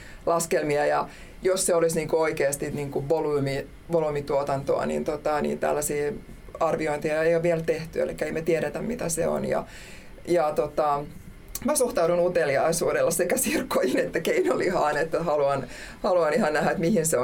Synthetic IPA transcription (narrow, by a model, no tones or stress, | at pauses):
lɑskelmiɑjɑ | josseolisniːŋkooikeːst̪iniːŋkuʋʋoluːmi | ʋolumit̪uot̪ɑnt̪o̰ɑ̰nḭnt̪ot̪ɑnḭːnt̪æ̰lːæsiː | ɑrʋioint̪iɑejoʋʋielt̪eht̪yḛlikːæeimæt̪ieɾet̪æmmit̪æsḛo̰njɑ̰ | jɑt̪ot̪ɑ | mæsuht̪ɑudunut̪eliɑisuːdelːɑsekæsirkʰːojinet̪ːækeinolihɑːnet̪ːæhɑluɑnhɑluɑnihɑnnæhæet̪mihinseo